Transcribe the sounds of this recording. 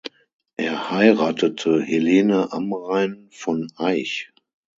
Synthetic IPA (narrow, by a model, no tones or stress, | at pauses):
ʔeːɐhaɪʁaːtətʰəheleːnəʔamʁaɪn | fɔnʔaɪç